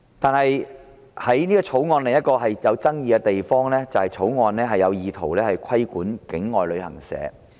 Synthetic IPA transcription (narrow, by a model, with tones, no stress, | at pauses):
t̪aː˨nɦɐ˨j | hɐ˨˥jniː˥ɡɔː˧t͡sʰo˨˥wŋɔː˧nlɛ˨˩jɐ˥t̚kɔː˧ɦɐ˨jjɐ˨˧wt͡sɐ˥ŋjiː˨˧ɡɛ˧t̪e˨jfɔː˥ŋlɛː˥t͡sɐ˨whɐ˨jt͡sʰo˨˥wŋɔː˨˧nlɛː˥ɦɐ˨jːɐ˨˧wjiː˨t̪ʰo˨˩wlɛː˥hɐ˨jkʰɐ˥jkuː˨˥nkɪ˨˥ŋːɔː˨jlɵ˨˧ɥhɐ̰˨˩ŋsɛ̰ː˨˥